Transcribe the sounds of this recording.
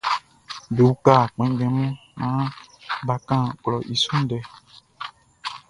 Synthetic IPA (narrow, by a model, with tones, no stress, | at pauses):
be˨wu˦ka˦˨k͡pɛ̃˨˦ɡ͡bɛ̃˨mɔ̃˦nã˨˦ba˨kã˦˨klɔ˨ʔi˨sũ˦ɖɛ˨